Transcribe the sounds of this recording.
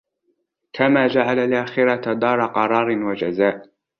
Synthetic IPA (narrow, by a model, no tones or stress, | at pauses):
kʰamaːd͡ʒaʕalalʔaːxɪɾat̪ad̪ˤɑːɾˤɑqɑɾˤɑːɾˤɪnwad͡ʒazaːʔ